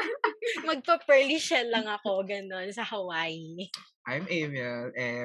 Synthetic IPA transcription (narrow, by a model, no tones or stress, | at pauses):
mɐɡ̚pɐpɛliʃɛlːɐŋɐko̞ɡɐno̞nsɐhɐwaːjiʔajmʔemɐʔɛ